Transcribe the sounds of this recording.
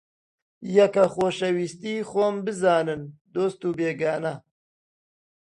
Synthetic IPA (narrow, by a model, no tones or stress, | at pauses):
jɐkɐxoːʃɐwiːst̪iːxoːmbɨzaːnɨnd̪oːst̪uːbeːɡaːnɐ